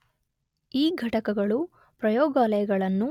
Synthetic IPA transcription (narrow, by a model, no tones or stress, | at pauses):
iːɡʱɐʈɐkɐɡɐɭu | pɾɐjɔːɡaːlɐjɐɡɐɭɐnːu